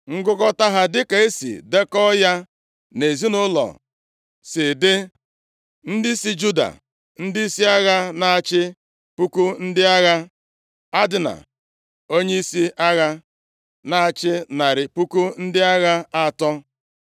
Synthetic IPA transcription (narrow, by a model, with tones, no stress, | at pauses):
ŋ̩˦ɡʊ˦kɔ˦ta˦ɦa˦dɪ˦ka˨e˦sḭ˨de˦kɔ˦ja˦ | ne˨zi˦nʊ˦lɔ̰˨ | sɪ˨dɪ˦ | n̩˦dɪ˦si˦d͡ʒu˦da̰˨ | n̩˦dɪ˦i˦si˦a˦ɣa˦na˨a˨t͡ʃɪ˦ | pu˦ku˦n̩˦dɪ˦a˦ɣa˦ | a˦dɪ˨na̰˨ | o˦ɲe˦i˦si˦a˦ɣa˦ | na˨a˨t͡ʃɪ˦na˨ɾɪ˨pu˦ku˦n̩˦dɪ˦a˦ɣa˦a˦˨tɔ˦